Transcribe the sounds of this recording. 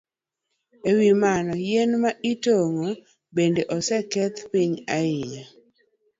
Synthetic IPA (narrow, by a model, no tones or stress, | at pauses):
ewimanɔjenmaʔitoŋo | bendeʔɔsɛkɛt̪piɲaɪɲa